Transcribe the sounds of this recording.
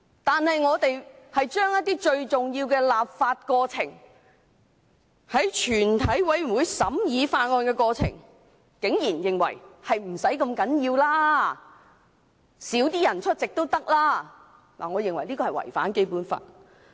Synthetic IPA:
t̪aː˨˧nhɐ˨jŋɔː˨˧t̪e˨jhɐ˨jt͡ʃœː˥ŋjɐ˥t̚t̪iː˥t͡ʃɵ˧ɥt͡sʊ˨ŋjiː˧wkɛː˧laː˨p̚faː˧t̚kɔː˧t͡sʰɪ̰˨˩ŋ | hɐ˨˥jt͡ʃʰyː˨˩nt̪ʰɐ˨˥jwɐ˨˥jm̩˨˩wuː˨˧jsɐ˨˥mjiː˨˧faː˧t̚ŋɔː˧nkɛː˧kɔː˧t͡sʰɪ̰˨˩ŋ | kɪ˨˥ŋjiː˨˩njɪ˨ŋwɐ̰˨˩jhɐ˨jm̩˨˩sɐ˨˥jkɐ˧mkɐ˨˥njiː˧wlaː˥ | siː˨˥wt̪iː˥jɐ˨˩nt͡ʃʰɵ˥t̚t͡sɪ˨k̚t̪o˥wt̪ɐ˥k̚laː˥ | la̰ː˨˩ŋɔː˨˧jɪ˨ŋwɐ˨˩jliː˥kɔː˧ɐ˨jwɐ̰˨˩jfa̰ː˨˥nke˥jpuː˨˥nfa̰ː˧t̚

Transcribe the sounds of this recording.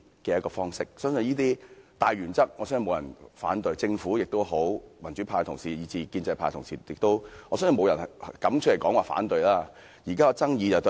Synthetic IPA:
kɛː˧jɐ˥kːɔː˧fɔː˥ŋsɪ˥k̚sœː˥ŋsɵ˧njiː˥t̪iː˥t̪aː˨jɥyː˨˩nt͡sɐ˥k̚ŋɔː˨˧sœː˥ŋsmo˨˧wjɐ˨˩nfa̰ː˨˥nt̪ɵ˧ɥt͡sɪ˧ŋfuː˨˥jɪ˨k̚t̪o˥wɦo˨˥wmɐ˨˩nt͡ʃyː˨˦pʰaː˧jt̪ʰʊ˨˩ŋsiː˨˩jiː˨˧t͡siː˧kiː˧nt͡sɐ˧jpʰaː˧jt̪ʰʊ˨˩ŋsḭː˨jɪ˨k̚t̪o˥wŋɔ˨˧sœː˥sə˧mo˧wjɐ˨˩nkɐ˨˥mt͡ʃ̚ʰle˨˩jkɔː˨˥ŋwaː˨fa̰ː˨˥nt̪ɵ˧ɥjlaː˥ | jiː˨˩kaː˥ɔ˧t͡sɐ˥ŋjiː˧t͡sɐ˨wt̪o˥˧

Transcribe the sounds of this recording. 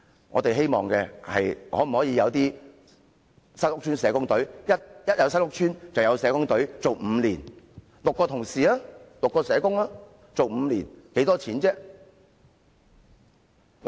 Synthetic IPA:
ŋɔ̰ː˨˧t̪e˨jɦe˥jmɔ̰ː˨ŋkɛː˧hɐ̰˨jhɔː˨˥m̩˨˩hɔː˨˥jiː˨˧jɐ˨˧wt̪iː˥ | sɐ˥t̚lʊ˥k̚t͡ʃʰyː˥nsɛː˨˧kʊ˥ŋt̪ɵ˨˥ɥjɐ˥t̚jɐ˥t̚jɐ˨˧ws̬ɐ˥t̚lʊ˥k̚t͡ʃʰyː˥nt͡sɐ˨wjɐ˨˧wsɛː˨˥kʊ˥ŋt̪ɵ˨˥ɥt͡so˨wm̩ː˨˧liː˨˩n | lʊ˨kːɔː˧t̪ʰʊ˨˩ŋsiː˨˩aː˦˥lʊ˨kːɔː˧sɛː˨˧kʊ˥ŋlaː˥ | t͡so˨wm̩˨˧liː˨˩nke˨˥t̪ɔː˥t͡sʰiː˨˥nt͡sɛː˥

